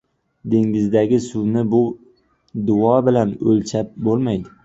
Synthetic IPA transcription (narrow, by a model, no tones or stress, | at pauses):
d̪e̞ŋɪzd̪aɡʲɪsʊwnɪbʊ | d̪ʊɒbɪlanɵlt͡ʃʰap̚bolˠmajd̪ɪ